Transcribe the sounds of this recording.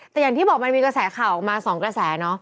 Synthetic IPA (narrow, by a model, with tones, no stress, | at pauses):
t̪ɛ˨˩ja˨˩t̪ʰiː˥˩bɔː˨˩k̚ma˧nmiː˧kɾa˧sɛː˩˦kʰaː˨˩wʔɔ˨˩k̚maː˧sɔː˩˦ŋkɾa˧sɛː˩˦nɔ˦˥